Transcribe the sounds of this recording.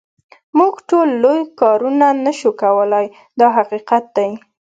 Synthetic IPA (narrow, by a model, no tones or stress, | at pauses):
muɡʈolːojkɑɾunanəʃukawəlaj | d̪ɑɦaqiqat̪̚d̪aj